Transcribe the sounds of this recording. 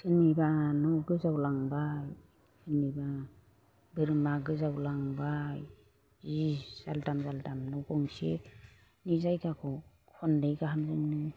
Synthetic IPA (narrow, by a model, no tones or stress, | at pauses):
kʰɯnibanɔwɡɯzawlaŋbaj | kʰɯniba | bɯɾmaɡɯzawlaŋbaj | ziz̥aldamzaltamnɔwkɔŋsḛ | nizajɡakʰɔ | hʰɔndɯjɡaɦamzɯŋnɯ